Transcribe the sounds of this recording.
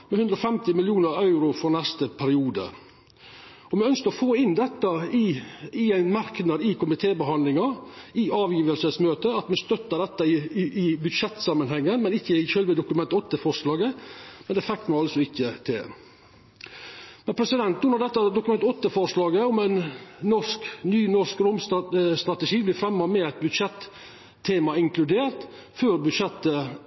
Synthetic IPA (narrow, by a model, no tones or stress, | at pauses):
mɛhʉnd̪ɾɔfɛmt̪ɪmɪljuːnəɾɑʉɾʊfɔɾnæst̪əpʰæɾɪuːd̪ə̰ | ɔmɛœnskəɾɔfoːɪnd̪ɛt̪ːəɪɪæɪnmɑɾknɑd̪ɪkʊmɪt̪ʰeːbəɦɑnlɪŋɑɪɑːʋjiːʋəlsəsmøːt̪əɑt̪mɛst̪œt̪ːəɖ̪ɛt̪ːəɪɪbʉd̪ʂɛt̪sɑmːənɦɛŋːənmɛnɪçːəɪçøːlʋəd̪ʊkʉmɛnt̪ɔt̪ːəfɔɾʂlɑːɡəmɛnd̪ɛfɛkt̪mɛɑlsɔɪçːət̪ʰḛː | mɛnpʰɾɛsɪd̪ɛnt̪nuːnəd̪ɛt̪ːɑd̪ʊkʉmɛnt̪ɔt̪ːəfɔɾʂlɑːɡəɔmæɪnnɔʂknyːnɔʂkɾʊmsst̪ɾɑt̪əʃiːblɪfɾɛmːɑmɛæɪt̪̚bʉd̪ʂɛt̪ʰː | eːmɑɪŋkʰlʉd̪eːɾt̪ | føːɾbʉd̪ʂɛt̪ːə